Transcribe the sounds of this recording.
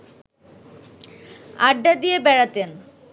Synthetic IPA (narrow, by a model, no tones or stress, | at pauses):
a̰ɖːad̪ijebɛɽat̪en